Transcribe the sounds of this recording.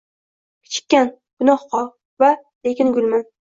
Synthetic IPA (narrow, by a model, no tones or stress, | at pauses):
kʲʰɪ̥t͡ʃʰɪ̥kʲːan | ɡ̥ʊnɒχqʰɒlˠ | va | lekʲɪnɡʲʊlʲman